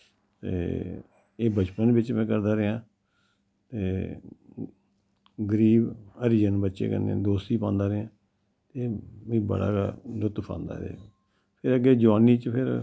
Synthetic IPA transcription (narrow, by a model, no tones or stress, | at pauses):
t̪ḛː | eːbət͡ʃpənbɪt͡ʃmɛ̃ːkəɾd̪aːɾeɦãː | t̪eː | ɡəɾiːbəɾiːd͡ʒənbətːʃḛːkə̰nːḛ̃d̪oːst̪iːpãːnd̪aːɾeãː | t̪eːʋĩːbə̰ɽa̰ːlʊt̪pʰã̰ːnd̪a̰ːɾḛː | pʰɪɾəɡeːd͡ʒaːniːt͡ʃpʰɪɾ